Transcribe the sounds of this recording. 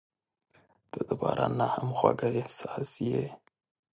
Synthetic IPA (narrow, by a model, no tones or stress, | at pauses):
d̪̥əd̪əpɑɾanahamxwaɡaehsɑsje